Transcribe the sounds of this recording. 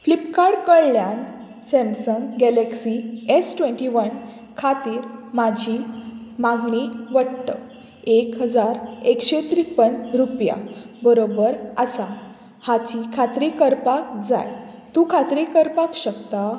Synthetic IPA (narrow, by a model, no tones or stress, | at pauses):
flipkaɾɽkəɭljan | sɛmsəŋɡɡɛleksiesʈʋẽɳʈiʋən | kʰat̪iːɾmad͡ʑʱimãɡɳ̃iʋəɽt̪ə | ekɦəd͡zaɾekɕet̪ɾipənɾupja̰bəɾobəɾəsa | hat͡ɕikʰat̪ɾikəɾpakd͡za̰jt̪ũkʰat̪ɾikəɾpakɕəkt̪a